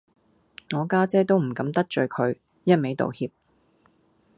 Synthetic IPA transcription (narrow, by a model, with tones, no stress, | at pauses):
ŋɔː˨˧kaː˥t͡sɛː˥t̪̬o˥wm̩˨˩kɐ˨˥mt̪ɐ˥k̚t͡ʃɵ˨˧ɥkʰɵ˨˧ɥ | jɐ˥t̚me˨˥jt̪o̰˨whiː˧p̚